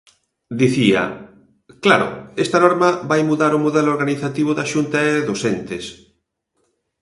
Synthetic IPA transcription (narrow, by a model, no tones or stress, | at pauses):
d̪iθiɐ̰ | klaɾʊ̰est̪anɔɾmɐβajmuðaɾʊmuðeloɾɣaniθat̪iβ̞ʊðaʃunt̪aeðosent̪es